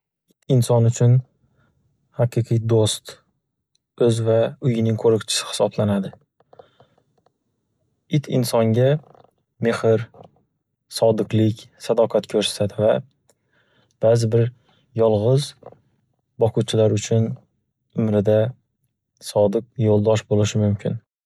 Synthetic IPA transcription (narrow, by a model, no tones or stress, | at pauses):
ɪt̪ʰɪnsɒnʊt͡ʃʰʊn | haqɨqʰijd̪ost̪ | ɵzvaʊjɪnɪŋkʰoɾɪkt͡ʃʰɪ̥sɪ̥hɪ̥sɒblanad̪ɪ | ɪt̪ʰɪ̰nsɒŋɡʲa | mehɪɾ | sɒd̪ɨqlˠɪkʲsad̪ɒqʰɑt̪kʰɵɾst̪ad̪ɪva | b̥azɪbɪɾ | jɒlˠʁɨz | bɒqʰʊt͡ʃʰɪlaɾʊt͡ʃʰʊn | ʊmɾɪd̪a | sɒd̪ɨq̚jolˠd̪ɒʃbolɪʃɪmʊmkʲʰɪn